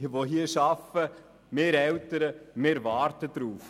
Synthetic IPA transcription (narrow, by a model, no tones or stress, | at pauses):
ʋoɦiːʃɑfə | meːɾɛltəɾəmeːɾvɑːɾtəd̥ɾuːf